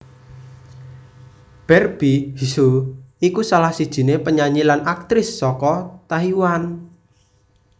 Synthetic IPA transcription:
b̥ɛrb̥ihisuikusalahsid̥ʒ̥i̤nepəɲaɲilanak̚t̪ɾɪsːɔkɔt̪aɦiwan

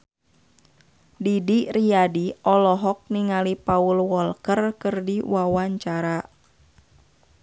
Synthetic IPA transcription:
didiriadiɔlɔɦɔk̚niŋalipaulwɔlkərkɨrdiwawaɲt͡ʃaɾa

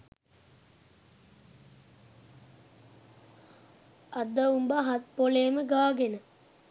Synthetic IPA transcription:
ɐd̪ːəumbaɦat̪̚poleːməɡaːɡenə

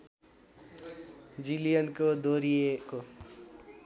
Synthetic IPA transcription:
d͡zilijʌnkod̪ʱoɾijeko

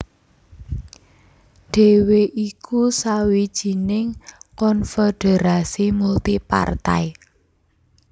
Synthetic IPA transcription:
ɖ̥e̤weʔikʰusawid̥ʒ̥i̤nɪŋkɔnfeɖ̥e̤ɾasimult̪ipa̰rt̪a̰i

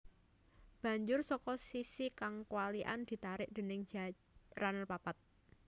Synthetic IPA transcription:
b̥ä̤ɲd͡ʒʊrsɔkɔsisikaŋkuwaliʔa̰nd̪̥i̤t̪aɾɪʔd̪̥e̤nɪŋ̥d͡ʒ̥a | ranəlpapat̪̚

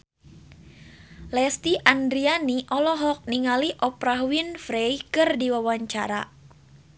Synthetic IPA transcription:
lɛst̪iʔandɾianiʔɔlɔɦɔk̚niŋaliʔɔpɾaɦwinfɾɛjkɨrdiwawaɲt͡ʃaɾa

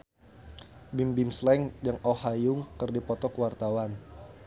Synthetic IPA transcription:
bimbimslɛŋd͡ʒaŋɔhajʊŋkɨrdipɔt̪ɔkəwart̪awan

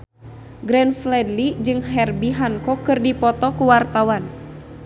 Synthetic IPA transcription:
ɡɾɛnflɛdlid͡ʒɨŋɦɛrbiɦaŋkɔkɨrdipɔt̪ɔkuwart̪awan

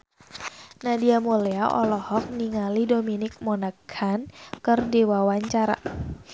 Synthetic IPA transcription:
nadiamoleaʔɔ̰lɔhɔk̚niŋalidominɪk̚mɔnaɡʰankɨrdewawaɲt͡ʃaɾa̰

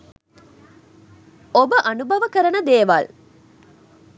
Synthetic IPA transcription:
obəʔɐnubɐʋəkəɾɐnəd̪eːʋal

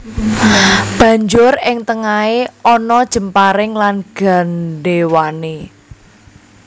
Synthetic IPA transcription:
b̥ä̤ɲd͡ʒʊrɪŋt̪əŋaeɔnɔd̥ʒ̥ə̤mpaɾɪŋlanɡ̥a̤nɖewane

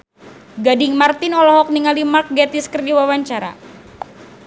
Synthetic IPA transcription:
ɡadɪŋmart̪ɪnɔlɔɦɔk̚niŋalimark̚ɡɛt̪iskərdiwawaɲt͡ʃaɾa̰

